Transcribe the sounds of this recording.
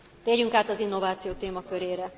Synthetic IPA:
t̪eːrjyŋkaːt̪ɒzinːo̞vaːt̪sijoːt̪eːmɒkøɾeːɾɛ

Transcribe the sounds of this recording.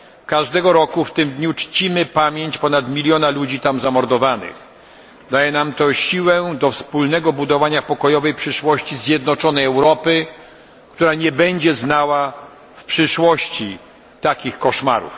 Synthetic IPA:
kaʐd̪ɛɡɔɾɔkuft̪ɘmd̪ɲut͡ʂt͡ɕimɘpamʲjeɲt͡ɕpɔnat̪mʲilʲjɔnalud͡ʑit̪amzamɔɾd̪ɔvanɪ̰x | d̪ajɛnamt̪ɔɕiwɛd̪ɔfspulnɛɡɔbud̪ɔvaɲapɔkɔjɔvɛjpʂɘʂwɔɕt͡ɕizʲjɛd̪̚nɔt͡ʂɔnɛjɛwɾɔpɘ | kt̪uɾaɲɛbɛɲd͡ʑɛznawa | fpʂɘʂwɔɕt͡ɕi | t̪akʲixkɔʂma̰ɾṵf

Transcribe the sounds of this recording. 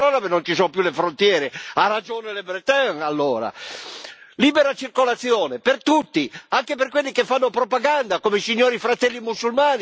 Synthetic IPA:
ɔːnapenːont͡ʃisonpjulefɾont̪jɛːɾearːad͡ʒoːnelebɾɛt̪ɛŋalːoːɾa̰ | liːbɛɾat͡ʃirkolat̪sːjɔːnepert̪ut̪ːiaŋkeperkwelːikefːanːopɾɔpaɡand̪akomesiɲːoːɾifɾat̪ɛlːimusulmaːni

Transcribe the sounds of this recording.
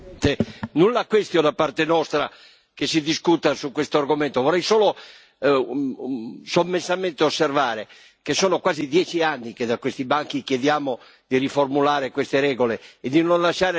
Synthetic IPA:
t̪enunlakwest̪jod̪apːart̪enɔst̪ɾa̰ | kesːid̪iskut̪asukːwest̪oarɡomɛnt̪ovɔrɛjsoːlo | somːesːamɛnt̪eosːervaːɾe | kesoːnokwaːzid̪jɛːt͡ʃianːiked̪akwest̪ibaŋk̟ik̟jed̪jaːmo | d̪iriformulaːɾekwest̪eɾɛːɡoleːd̪inonlaʃaːɾe

